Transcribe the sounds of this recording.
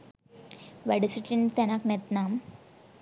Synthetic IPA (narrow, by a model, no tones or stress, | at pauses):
ʋɛɽisiʈint̪ɛnaknɛt̪naːm